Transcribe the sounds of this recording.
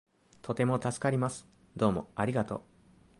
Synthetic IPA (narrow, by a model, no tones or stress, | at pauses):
t̪ʰo̞t̪e̞mo̞t̪asɨ̥kaɾʲimasɨ̥ | d̪o̞ːmo̞̰aɾʲiɡat̪o̞̰